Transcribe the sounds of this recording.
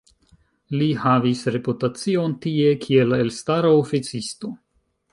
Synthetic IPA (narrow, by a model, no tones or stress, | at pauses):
lihavisɾe̞putat͡sio̞ntie̞kʰie̞lelstaɾaofit͡sisto̞